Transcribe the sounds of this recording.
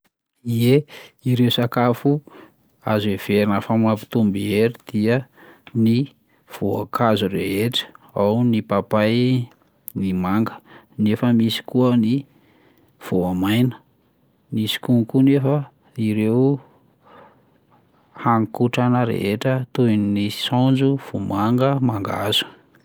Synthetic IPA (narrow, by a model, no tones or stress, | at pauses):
ieiɾewsakafu | azev̥eɾinəfamapi̥t̪umbieɾid̪̥iəni | v̥oa̰kʰazureɦeʈ͡ʂə̥awnipapaj | nimaŋɡə̥ | nefəmisi̥kuəni | v̥oamajnə̥ | misi̥kunkunefə | iɾew | haŋkuʈ͡ʂanəɾḛɦeʈ͡ʂət̪unnisɔnd͡ʒuv̥umaŋɡəmaŋɡa̰z̥u̥